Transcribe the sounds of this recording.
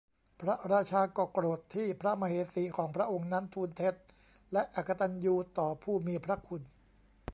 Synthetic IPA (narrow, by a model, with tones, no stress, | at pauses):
pʰɾa˦˥ɾaː˧˩t͡ɕʰaː˧kɔː˨˩kɾoː˨˩t̪ʰːiː˥˩pʰɾa˦˥ma˧heː˨˦siː˨˩˦kʰɔː˩˦ŋpʰɾa˦˥ʔo˧ŋna˦˥nt̪ʰuː˧nt̪ʰe˦˥t̪̚ | lɛ˦˥ʔa˨˩kːa˧t̪a˧njuː˧t̪ɔː˨˩pʰuː˥˩miː˧pʰɾa˦˥kʰu˧n